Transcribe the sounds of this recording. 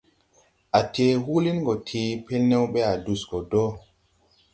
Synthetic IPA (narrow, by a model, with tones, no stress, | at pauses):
a˨te˨ɦu˦li˦nɡo˨tʰeː˨pe˦lnɛ˦wɓe˦a˨du˨sɡo˨dɔ˦